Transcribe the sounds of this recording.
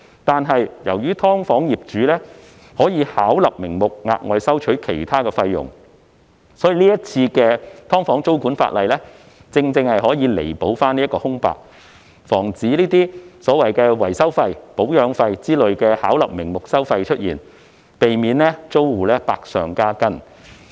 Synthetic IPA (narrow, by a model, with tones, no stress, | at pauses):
t̪aː˨nɦɐ˨jjɐ˨˩wjyː˥t̪ʰɔː˥ŋfɔː˨˥ŋjiː˨p̚t͡ʃyː˨˦lɛː˥ | hɔː˨˥jiː˨˧haː˨˥wlɐ˨p̚mɪ˨˩ŋmʊ˨k̚ŋa̰ː˧k̚ŋɔ̰ː˨˧jsɐ˥wt͡ʃʰɵ˨˥ɥkʰe˨˩jt̪ʰaː˥kɛː˧fɐ˧jːʊ̰˨˩ŋ | sɔː˨˥jiː˨˧liː˥jɐ˥t̚t͡sʰiː˧kɛː˧t̪ʰɔː˥ŋfɔː˨˥ŋt͡so˥wkuː˨˥nfa̰ː˧t̚lɐ˨jlɛː˥ | t͡sɪ˧ŋt͡sɪ˧ŋhɐ˨jɦɔː˨˥jiː˨˧le˨˩jpo˨˥wfaː˥niː˥kɔː˧hʊ˥ŋpa̰ː˨k̚ | fɔː˨˩ŋt͡siː˨˥liː˥t̪iː˥sɔː˨˥wɐ˨jkɛː˧wɐ˨˩jsɐ˥wfɐ˧jpo˨˥wjœː˨˧ŋfɐ˧jt͡siː˥lɵ˨ɥkɛː˧haː˨˥wlɐ˨p̚mɪ˨˩ŋmʊ˨k̚sɐ˥wfɐ˧jt͡ʃʰɵ˥t̚jiː˨˩n | pe˨jmiː˨˧nlɛː˥t͡so˥wwuː˨˩lɛː˥paː˧k̚sœː˨ŋkaː˥kɐ˥n